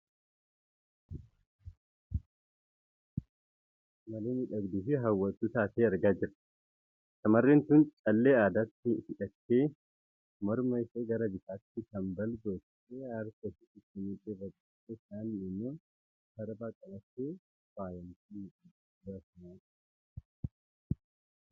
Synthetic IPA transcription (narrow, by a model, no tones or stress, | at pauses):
mɐleːnɪᶑɐɡd̪iːfɪɦɐwːɐt̪ːuːt̪aːseːɐɾɡaːd͡ʒɪɾ | sɐmɐrːeːnt̪ʊnt͡ʃʼɐlːeːaːd̪aːt̪ːɪhɪᶑɐt̪ːeː | mɐɾmɐɪseːɡɐɾɐbɪt̪aːt̪ːɪkɐmbɐlɡo̞ːt̪ | keːɐɾkɐsɪt̪ɪt̪ːɪmiːt̪ʼɪrːɐɡɐt̪ːesaːnːɪnːoː | bɐɾbaːkʼɐbɐt̪ːeː | b̥aːjɐnt̪i | baːsɐnaː